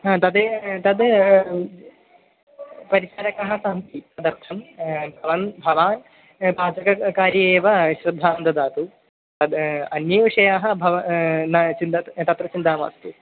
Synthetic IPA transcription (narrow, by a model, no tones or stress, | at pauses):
ɦaːt̪ɐd̪et̪ɐd̪ | pɐɾiʃaːɾɐkaɦɐ̆saːmt̪it̪ɐd̪ɐɾt̪ʰɐmbʱɐʋɐnbʱɐʋaːn | baːd͡ʒɐkɐkaːɾjɐeːʋɐɕɾɐd̪ʱːaːnd̪ɐd̪aːt̪u | t̪ɐd̪ɐnjɐʋiʂɐjaːɦɐ̆bʱɐʋɐnɐt͡ʃind̪ɐt̪ɐt̪ɾɐt͡ʃind̪aːma̰ːst̪u